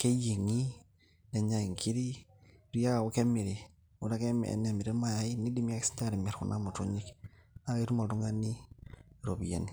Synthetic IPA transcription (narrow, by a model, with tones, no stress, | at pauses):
ke˦je˨ŋi˦ | ne˨ɲa˨i˨ŋkʰi˦ɾi˦ɾi˦ja˦a˨wu˦ke˦mi˨ɾi˨ | u˦ɾa˦ke˦mɛ̰˨ne˨mi˨ɾe˦ma˨˦ini˦di˦mi˦a˦ksi̥˦ta˦ɾi˨mɛ˨ɾkṵ˨nʔa˦mu˨tu˦ɲi˦ka˦˨i˦ɾu˦mo˨ltu˦ŋa˦ni˦ɾo˨bijḛ˨ni˨